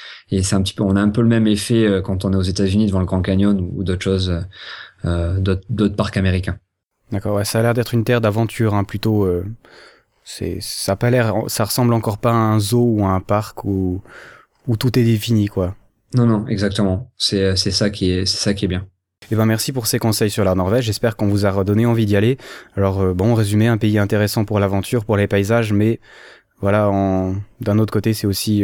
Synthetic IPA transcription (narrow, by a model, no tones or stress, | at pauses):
esɛt̪ɛ̃pət̪i̥pøɔ̃naɛ̃pøləmɛmefɛøkɑ̃t̪ɔ̃nɛozet̪azynid̪əvɑ̃ləɡʁɑ̃kanjɔnṵːd̪ot̪χʃozøød̪ot̪χd̪ot̪χpaʁkameʁikʲɛ̃ | d̪akɔʁwɛsaːlɛʁd̪ɛt̪χynt̪ɛʁd̪avɑ̃t̪ʰyʁɛ̃plyt̪oø | sɛ̰sapalɛʁɑ̰̃saʁəsɑ̃blɑ̃kɔʁpaːɛ̃zouaɛ̃paʁku | ut̪ut̪ɛd̪efinikwa | nɔ̃nɔ̃ɛɡzak̚t̪əmɑ̃sɛøsɛsakʲiɛsɛ̥sakʲiɛbjɛ̃ | ebjɛ̃mɛʁsipuʁsekɔ̃sɛjsyʁlanɔʁvɛʒɛspɛʁkɔ̃vuzaʁəd̪ɔneɑ̃vid̪ialealɔʁøbɔ̃ːʁezymɛɛ̃peiɛ̃t̪eʁesɑ̃puʁlavɑ̃t̪ʰyʁpuʁlepaizaʒmɛ | vwalaɔ̃d̪ɛ̃not̪χəkot̪esɛosi